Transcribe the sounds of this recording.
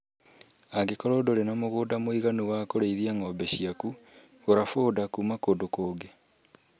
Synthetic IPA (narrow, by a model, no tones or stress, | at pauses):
aɡekɔɾoːdoɾenamoɣoːdamoiɣanuwakoɾeiðiaŋɔbɛɕiaku | oɾafoːdakuːmakoːndokoːɡe